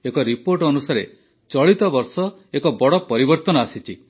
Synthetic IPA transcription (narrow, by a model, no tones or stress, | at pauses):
ekɔɾipoɾʈɔnusaɾḛ | t͡ʃɔɭit̪ɔbɔɾsɔ | ekɔbɔɽɔpɔɾibɔɾt̪ɔnɔasit͡ʃʰi